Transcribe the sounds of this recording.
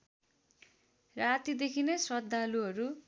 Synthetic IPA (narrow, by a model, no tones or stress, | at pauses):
rat̪id̪ekʰineswʌd̪ʱːaluɦʌɾu